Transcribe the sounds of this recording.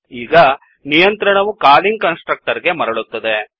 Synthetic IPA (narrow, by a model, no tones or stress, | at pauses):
iːɡɐ | nijɐnt̪ɾɐɳɐʋukaːliŋɡkɐnsʈɾɐk̚ʈɐɾɡe̞mɐɾɐɭut̪ːɐd̪e